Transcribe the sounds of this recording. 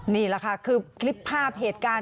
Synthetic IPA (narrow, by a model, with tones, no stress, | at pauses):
niː˥˩la˩˦˩kʰa˦˥˩kʰɯː˧kʰli˦˥pʰːaː˥˩p̚ɦeː˨˩t̪̚kaː˧